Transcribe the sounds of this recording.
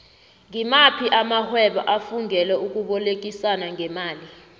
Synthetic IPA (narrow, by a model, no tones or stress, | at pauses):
ŋimapʰiʔamahwɛɓɔʔafuŋɛlɛuk̬ʼuɓɔlek̬isanaŋɛmaːli